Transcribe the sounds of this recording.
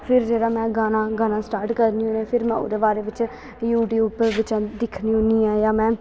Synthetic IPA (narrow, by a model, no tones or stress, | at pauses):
pʰɪɾd͡ʒeːɽaːmɛ̃ːɡaːnãːɡaːnãːsʈaːɾʈkəɾnĩːʊnẽːpʰɪɾmɛ̰̃ːʊ̰d̪eːbaːɾeːʋɪt͡ʃ | juːʈjuːbʋɪt͡ʃãːd̪ɪkʰnĩːʊniːɛ̃ːjaːmɛ̃ː